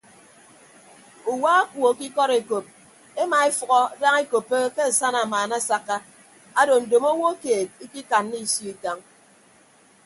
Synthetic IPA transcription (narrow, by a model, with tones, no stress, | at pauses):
u˨wa˦a˦kʷo˨˦ki˦kɔ˦ɾe˨ko˨p̚ | e˦ma˨e˦fɔ˨ɣɔ˦da˦ŋe˦ko˨pːe˦ke˦a˨sa˦na˨maː˨na˦sa˦kːa˦ | a˦do˨n̩˨do˨mo˦wo˦keː˨t̚i˦ki˦ka˨nːi˦˨sjo˦i˨ta˦ŋ